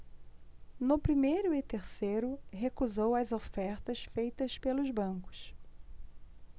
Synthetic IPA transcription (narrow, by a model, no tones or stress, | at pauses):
nʊpɾimejɾʊɪt̪eɾsejɾʊɦekuzowɐzofɛɾt̪ɐsfejt̪ɐspelʊzbɐ̃kʊ̥ʃ